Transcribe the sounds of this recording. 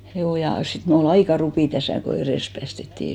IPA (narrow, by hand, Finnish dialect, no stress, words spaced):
juː jɑ sit mul ol ɑikɑ rupiˑ tæsæˑ ko ereˑs pæːstetːiˑ